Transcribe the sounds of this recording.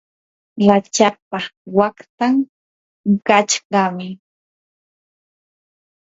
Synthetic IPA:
lat͡ʃapawakt̪aŋ | kat͡ʃɢɑmɪ

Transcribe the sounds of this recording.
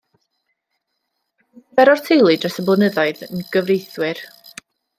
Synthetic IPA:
bɛɾɔrtʰejlˠɨdrəsəblˠənəðɔɨðənɡ̥əvrejθwɪr

